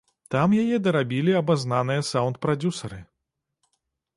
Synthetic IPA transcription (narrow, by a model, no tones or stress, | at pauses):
t̪amjajɛd̪ɐɾabʲilʲiɐbaznanɨjɐsawnt̪̚pɾad͡zʲusɐɾɨ